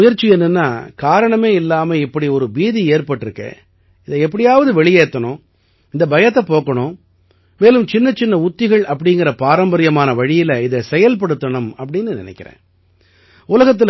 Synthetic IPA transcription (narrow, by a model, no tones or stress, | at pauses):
ʊjɐɾt͡ʃːiɛnːɯnːaːkaːɾɐɳɐmeːɪlːaːmɐɪpːɐɽiɔɾɯbiːðieːɾpɐʈːɪɾɯkːḛː | ɪðɛɛpːɐɽɪjaːʋɐðɯʋɛɭɪjeːt̪ːɐɳʊ̃ | ɪnd̪ɐbɐjɐt̪ːɐpoːkɐɳʊ̃ | meːlɯmt͡ʃɪnːɐt͡ʃɪnːɐʊt̪ːɪɣɐɭɐpːɐɽɪŋɡɪɾɐpaːɾɐmbɐɾɪjɐmaːnɐʋɐɻɪjɪlɐɪðɛsɛjɐlp̬ɐɽɯt̪ːɐɳɐmɐpːɐɽɪnːɯnɪ̰nɛ̰ɪkʲːɪɾḛ̃ː | ʊlɐɣɐt̪̬ːɪl